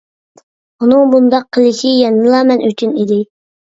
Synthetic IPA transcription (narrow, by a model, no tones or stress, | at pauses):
unɨŋbund̪ɑqʰːəlˠɪʃijɛnːɨlˠɑːmɛnʔyt͡ʃʰynid̪ɪ